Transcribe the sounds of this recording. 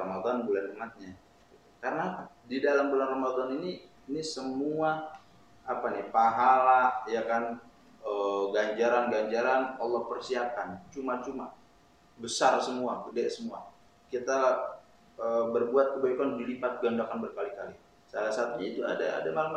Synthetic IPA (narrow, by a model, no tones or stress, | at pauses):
ramad̪ɔnbulanumat̪̚ɲa | ɡit̪ukaɾənadidalambulanramad̪ɔniniː | nisəmuaː | panipaɦalajakan | əɡaɲd͡ʒaɾanɡaɲd͡ʒaɾanɔlːɔhpərsiakant͡ʃumat͡ʃuma | bəsarsəmuakədɛsəmua | kit̪a | əbərbuat̪̚kəbaikandilipat̪̚ɡandakanbərkalikali | salasat̪uɲait̪ua̰da̰a̰damalam